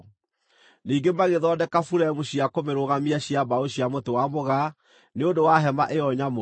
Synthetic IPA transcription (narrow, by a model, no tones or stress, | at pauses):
niːɡemaɣeðɔːdɛkafuɾɛɛmoɕiakomeɾoɣamiaɕiabaoɕiamotewamoɣa | neondowaɦɛma̰ʔeɔɲamo